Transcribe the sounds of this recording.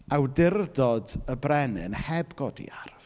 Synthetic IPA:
awdɪrdɔdəbrɛnɨnhɛbɡɔdḭarv̥

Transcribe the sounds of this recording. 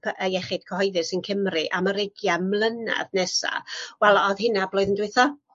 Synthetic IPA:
pʰʔəɛχɪd̥kʰəhɔɨðɨsənkʰəmrɨʔaməɾɪɡjamlˠəna̰ðnɛsa̰wɛlˠɔðhɪnablˠoːɨðəndwɨθɔ

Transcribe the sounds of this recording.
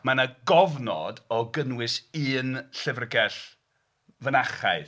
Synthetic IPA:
manaɡɔvnɔ̰dɔɡənwɪsɨːnɬɪvrɡɛɬ | vənaχaɨ

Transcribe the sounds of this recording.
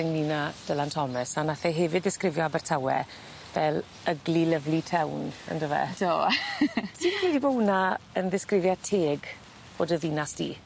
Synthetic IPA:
ɪŋninad̥əlˠantʰɔməsanaθɛɦɛvɨdðɪskrɪvjɔabɛrtʰawɛ̰ | vɛlˠ | əɡliləvlˠitʰɛwnə̰ndəvɛ̰d̥oː | sʰɪnwɛdibownaənðɪskrɪvjatʰeːɡ | b̥oːdəðɪnasd̥ḭː

